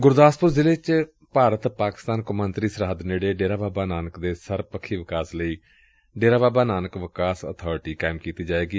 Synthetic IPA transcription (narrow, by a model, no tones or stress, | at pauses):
ɡʊɾd̪aːspʊɾzɪleːt͡ʃ | paːɾət̪paːkɪ̥st̪aːnkʊmənt̪ɾiːsəɾaːd̪neːɽeːɖeːɾaːbaːbaːnaːnəkd̪eːsəɾpəkʰːiːʋɪkaːsləiː | ɖeːɾaːbaːbaːnaːnəkʋɪkaːsə̰ːt̪ʰɔːɾɪʈiːkaːɪmkiːt̪iːd͡ʒaːeːɡiː